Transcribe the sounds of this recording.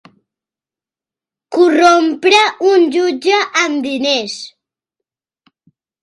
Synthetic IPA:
kurompɾəunʲʒud͡ʒəʔːmd̪ines

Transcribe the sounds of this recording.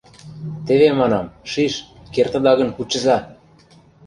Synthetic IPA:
t̪ĕβemɑnɑmʃiʃkert̪ə̆d̪ɑɣə̆nkut͡ɕə̆zɑ

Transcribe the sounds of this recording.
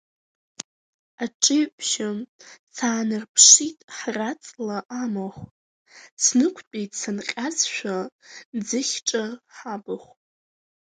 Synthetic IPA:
aʈ͡ʂʼɨɥpʼʃat͡sʰaːnɨrpʰʂitʼħrat͡sʼlaʔamaχʷ | sʰnɨkʷʰpʲʼejtʼsanqʲʼazʃʷᶣad͡zɨχʲʈ͡ʂʼaħabaχʷʼ

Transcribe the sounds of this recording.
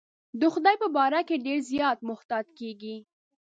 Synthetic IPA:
d̪əxʊd̪ɑjpəbɑɾakeɖeɾzjɑt̪̚mʊht̪ɑd͡ʒkeɡi

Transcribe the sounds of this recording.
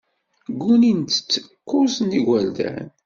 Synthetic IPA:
ɡunint̪ə̥t͡sːə̥qʰːʊsniɡʷæld̪æ̰n

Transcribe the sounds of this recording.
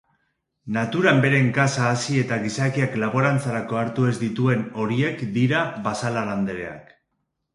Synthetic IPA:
nat̪uɾambe̞ɾe̞ŋɡasaːsie̞t̪aɣisakiaklaβo̞ɾant͡saɾako̞aɾt̪ue̞zd̪it̪ue̞no̞ɾie̞kd̪iɾaβasalaɾand̪eɾe̞̰a̰k

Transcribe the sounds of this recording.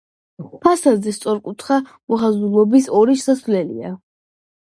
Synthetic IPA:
pʰasazɛst̪sʼɔɾkʼut̪ʰχamɔχazulˠɔbisɔɾiʃsasvlɛlḭa̰

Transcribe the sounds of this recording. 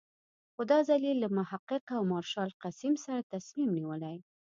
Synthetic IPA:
xod̪ɑzalilːamʊhaqːɪqawmɑɾʃɑlqasimsaɾat̪asmimniwəlaj

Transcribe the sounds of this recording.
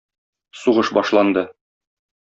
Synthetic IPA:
suʁɤʃbɒʃlˠɑnd̪ɤ

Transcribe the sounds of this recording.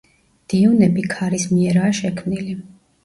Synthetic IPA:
d̪̥iunɛbikʰaɾismiɛɾaːʃɛkʰmnili

